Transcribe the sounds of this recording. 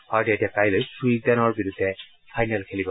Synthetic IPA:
hɔjdetiapajlojsɹuik̚d̪anɔɹbiɹudʱːɛ | fʰajnalkʰelibɔ

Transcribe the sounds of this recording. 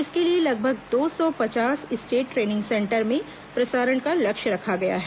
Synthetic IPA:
ɪskelielɐɡ̚bʱəɡd̪oːsɔpɐt͡ʃaːsɪsʈeːʈːɾeːnɪ̃ŋɡsɛ̃ːɳʈəɾmẽ | pɾɐsaːɾəɳkalɐkʃɾɐkʰaɡɐja̰ɦɛː

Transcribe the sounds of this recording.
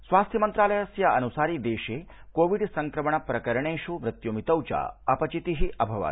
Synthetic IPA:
sʋaːst̪ʰjɐmɐnt̪ɾaːlɐjɐsjɐɐnusaːɾid̪eːʃeːkoːʋiɖsɐŋkɾɐmɐɳɐpɾɐkɐɾɐɳeːʃumɾɪt̪jomit̪ɐwt͡ʃa̰ːɐpɐt͡ʃit̪iɦiʔɐbʱɐʋa̰ː

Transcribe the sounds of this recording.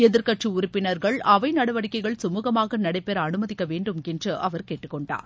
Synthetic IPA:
ɛðɪɾkɐʈrɯʊɾʊpːɪnɐɾɣɐɭʔɐʋɐɪnɐɽɐʋɐɽɪkːɐɪɣɐɭsʊmuːɣɐmaːɣɐnɐɽɐɪpːeːɾɐnɯmɐðɪkːɐʋeːɳɖɯmɛndrɯʔɐʋɐɾkeːʈːɯkːɔɳɖa̰ːɾ

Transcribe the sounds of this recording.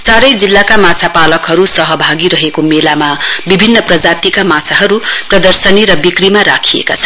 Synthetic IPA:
t͡saɾʌjd͡zilːakamat͡sʰapalʌkɦʌɾusʌɦʌbʱaɡiɾʌɦekomelamabibʱinːʌprʌd͡zat̪ikamat͡sʰaɦʌɾuprʌd̪ʌrsʌniɾʌbikrimaɾakʰiḛka̰t͡sʰʌn

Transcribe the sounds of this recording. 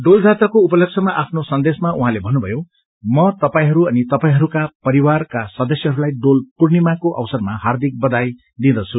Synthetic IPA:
ɖold͡zʱat̪rʌkoupʌlʌk̚t͡sʰʌmaʔapʰnosʌnd̪esmauɦãlebʱʌnːubʱʌjo | mʌt̪ʌpaĩɦʌɾuʌnit̪ʌpaĩɦʌɾukapʌɾiwarkasʌd̪ʌsjʌɦʌɾulajɖolpurnimakoʔʌ̰wsʌrmahard̪ʱik̚bʌd̪aj | d̪ĩd̪ʌt͡sʰu

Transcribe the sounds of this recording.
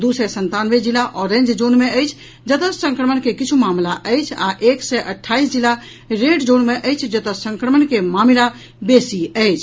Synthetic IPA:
d̪usɛsənt̪anʋed͡ʒilaʔɔɾẽnd͡ʒd͡ʒonmeəjt͡ʃʰ | d͡ʒət̪əsə̃ŋkɾəmənkekit͡ʃʰumamlaʔəjt͡ʃʰa̰ʔeksɛʔəʈʰːaisd͡ʒilːa | ɾeɖd͡ʒonmeʔəjt͡ʃʰd͡ʒət̪əsə̃ŋkɾəmənkemamila | besiəjt͡ʃʰ

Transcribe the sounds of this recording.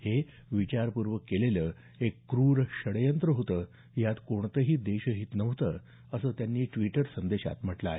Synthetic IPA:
he | ʋit͡ɕaɾpuɾʋəkːeleləː | ekːɾuːɾɕəɽjənt̪ɾəɦot̪əː | jat̪koɳt̪əɦiːd̪eɕəɦit̪nəʋt̪əː | əsəːt̪janːiːʈʋiʈəɾsənd̪eɕa̰t̪m̤əʈlaːɦḛ

